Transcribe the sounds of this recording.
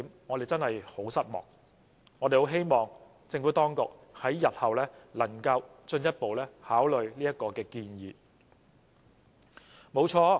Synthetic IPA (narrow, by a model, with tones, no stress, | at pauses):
mŋɔː˨˧ɾe˨jt͡sɐ˥nhɐ˨jho˨˥wsɐ˥t̚mɔ̰ː˨˩k̚ | ŋɔː˨˧de˨jho˨˧˥wɦe˥jmɔː˨ŋ | t͡sɪ˧ŋfu˨˥t̪ɔː˥ŋkʊ˨k̚hɐ˨˥jːɐ˨t̚hɐ˨wlɛː˥lɐ˨˩ŋkɐ˧wt͡ʃɵ˧njɐ˥t̚po˨wlɛː˥haː˨˥wlɵ˨ɥliː˥jɐ˥t̚kɔː˧kɛː˧kiː˧njiː˨˧ | mo˨˥wt͡ʃʰɔː˧